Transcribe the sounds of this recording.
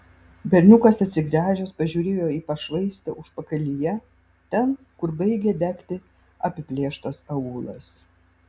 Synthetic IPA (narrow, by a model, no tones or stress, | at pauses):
bʲɛɾʲnʲʊkɐsɐt̪ʲsʲɪɡɾʲæːʒʲoːspɐʒʲuːɾʲeːjoːiːpɐʃʋɐɪsʲt̪ʲɛʊʃpɐkɐlʲijɛ | t̪ʲɛn | kʊɾbɐɪɡʲɛd̪ʲækʲt̪ʲɪ | ɐpʲɪpʲlʲeːʃt̪osɐuːlˠɐ̰s